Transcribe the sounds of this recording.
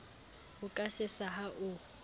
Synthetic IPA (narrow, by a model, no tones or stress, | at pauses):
ʊkʼasɪsaɦaʔʊ